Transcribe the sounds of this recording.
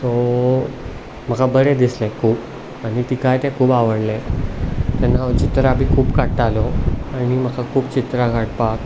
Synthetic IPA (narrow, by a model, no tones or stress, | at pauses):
t̪o | m̤əkʰabəɾed̪islɛkʰuːp | aɽ̃it̪ikajt̪ɛ̃kʰuːpaʋəɽle | t̪ɛnːat͡ɕit̪ɾabiːkʰuːpkaʈʈːaloañim̤əkʰakʰuːbt͡ɕit̪ɾakaʈpak